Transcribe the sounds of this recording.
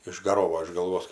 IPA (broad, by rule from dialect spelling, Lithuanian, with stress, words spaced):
ɪʒɡɐˈroːʋoː ɪʃ ɡɐlˠˈʋoːs